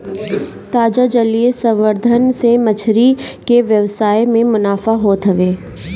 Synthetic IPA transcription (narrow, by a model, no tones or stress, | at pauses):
t̪aːd͡ʒad͡ʒəliesə̃ʋʋəɾd̪ʱənsemət͡ʃʰɾikeʋjəʋsaːjmẽmʊnaːfaɦoːt̪ɦəʋeː